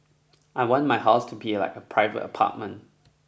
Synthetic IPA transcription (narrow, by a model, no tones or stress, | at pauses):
ʔaɪwɔ̃nmaɪɦaʊstʰubila̰ɪkəpʰɹ̥aɪvə̰tə̰pʰa̰ˑt̚mə̃nt